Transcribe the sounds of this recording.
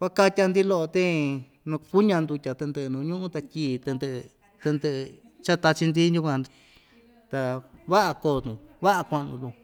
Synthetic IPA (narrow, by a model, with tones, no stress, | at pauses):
kʷa˦ka˦˧tʲa˧nd̪i˦lo˦ʔo˧t̪ẽ˦ | nũ˧ku˦ɲã˧nd̪u˧tʲa˨˧t̪e˧nd̪ɨ˧nũ˧ɲũ˦ʔũ˦t̪a˧kʲiː˧˨t̪ɨ˧nd̪ɨ˧ | t̪ɨ˧nd̪ɨ˧ʔ | t͡ʃa˦t̪a˧t͡ʃi˧nd̪i˦u˦˧kʷã˧ni˧ | t̪a˧βa˦ʔa˧koː˧˨t̪ũ˧βa˦ʔa˧kʷa˧ʔnũ˧t̪ũ˧